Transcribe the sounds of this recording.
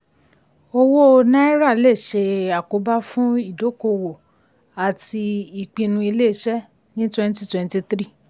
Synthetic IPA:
o˧wo˦o˧nã˦ɛ˦ɾa˦˨le˦˨ʃe˧a˨ko˨˦ba˦fũ˦i˦˨do˨˦ko˧wo˨ | a˨ti˧i˨k͡pĩ˧nũ˧i˧le˦˧˨ʃɛ˦ | nĩ˦twɛ̃˦n˦ti˦twɛ̃˧n˦ti˧tɾi˦˨

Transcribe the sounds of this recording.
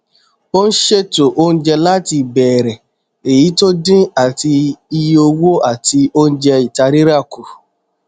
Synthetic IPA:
o˦n̩˦ʃe˦to˨ʔo˦n̩˦d͡ʒɛ˧la˦ti˧˨bɛ˨ɾɛ˨ | e˨ji˨˦to˦dĩ˦a˨ti˧i˧jo˧wo˦a˦˨ti˧o˦n̩˦d͡ʒɛ˧i˨ta˧ɾi˦ɾa˦˨ku˨

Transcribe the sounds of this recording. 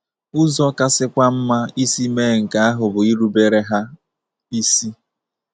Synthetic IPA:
ʊ˦zɔ˦ka˦sɪ˦kʷa˦m̩˦ma˦i˦si˦me˦˨ŋ̩˨ka˨a˦ɦʊ˨bʊ˨i˦ɾu˦be˦ɾe˦ɦa˦ | i˦si˦

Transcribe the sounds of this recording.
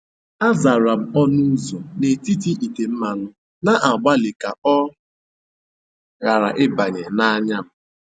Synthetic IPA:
a˦za˨ɾa˨m̩˨ɔ˦nu˦zo˨ne˨ti˦ti˦i˨te˨m̩˦ma˨nʊ˦ | na˦ʔa˨ɡ͡ba˦lɪ˨ka˨ɔ˦ | ɣa˨ɾa̰˨ʔɪ˦ba˨ɲe˨na˦ɲa˦m̩˦

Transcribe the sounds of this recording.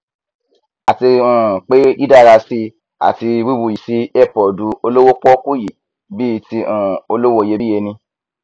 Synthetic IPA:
a˨ti˧ũ˦˨k͡pe˦i˦da˦˨ɾa˧si˧ | a̰˨ti˧wi˦bu˧ji˨si˦ɛ˦˨pɔ˨du˨˦o˧lo˦wo˦k͡pɔ˦ku˦ji˨ | bi˦˨ti˧ũ˦˨o˧lo˦wo˦˨je˧i˦je˧nĩ˧

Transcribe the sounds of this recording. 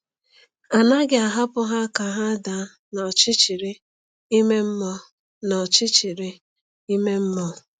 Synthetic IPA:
a˨na˦ɡɪ˦a˨ɦa˦pʊ˦ɦa˦ka˨ɦa˦da˨˦ | nɔ˨t͡ʃɪ˦t͡ʃi˨ɾɪ˦ | i˦me˦m̩˦mɔ˦ | nɔ˨t͡ʃɪ˦t͡ʃi˨ɾɪ˦ | i˦me˦m̩˦mɔ˦

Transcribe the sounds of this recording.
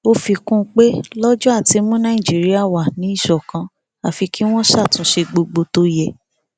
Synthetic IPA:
o˦fi˧kũ˦˧k͡pe˦lɔ˦d͡ʒɔ˦a˦˨ti˧mũ˦nã˦˨ĩ˨d͡ʒi˨˦ɾi˦a˦˨wa˨nĩ˨˦i˦˨ʃɔ˨kã˧ | a˨fi˧ki˦w̃ɔ̃˦ʃa˦˨tũ˨˦ʃe˧ɡ͡bo˧ɡ͡bo˧to˧jɛ˨

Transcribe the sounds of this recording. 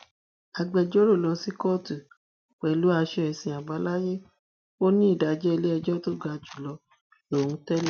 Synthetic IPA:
a˧ɡ͡bɛ˧d͡ʒɔ˦ɾo˦˨lɔ˧si˨˦kɔ˦˨tu˨ | k͡pɛ˨lu˨˦a˧ʃɛ˦ɛ˨˧sĩ˧˨a˨ba˨˦la˦je˦ | o˦nĩ˦i˦˨da˨d͡ʒɛ˦i˧le˦ɛ˧d͡ʒɔ˦to˦ɡa˧d͡ʒu˨lɔ˧ | lo˨ũ˧˦tɛ˦l

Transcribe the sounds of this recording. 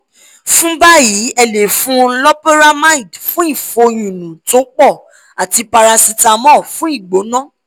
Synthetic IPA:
fũ˦ba˦ji˨˦ɛ˧le˨fũ˦lɔ˦pe˦ɾa˦mã˦ĩ˦˨dfũ˦i˦˨fo˧jũ˨nũ˨to˨˦k͡pɔ˦˨ | a˨ti˧pa˧ɾa˧si˧ta˧mɔ̃˦˨fũ˨˦i˦˨ɡ͡bo˨˦nã˦

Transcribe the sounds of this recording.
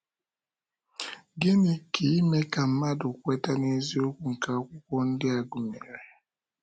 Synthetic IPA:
ɡe˦ni˨ki˨˦me˦ka˨m̩˦ma˦dʊ˨kʷe˦ta˦ne˦zi˦o˦kʷu˨ŋ̩˨ka˨ɔ˦kʷʊ˦kʷɔ˦n̩˦dɪ˦a˨ɡʊ˨me˨ɾe˨

